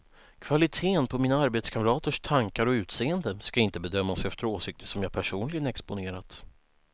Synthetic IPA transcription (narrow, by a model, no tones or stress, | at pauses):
kʰv̥alɪt̪ʰeːnpʰɔmiːnaaɾbeːt̪skʰamɾɑːt̪əʂt̪ʰaŋkaɾɔʉ̟ːt̪seːənd̪əskaɪnt̪əbɛd̪œmːasɛft̪əɾoːsɪk̚t̪ʰə̥ʂɔmjaːpʰæʂuːnlɪɡənɛkspʊneːɾat̪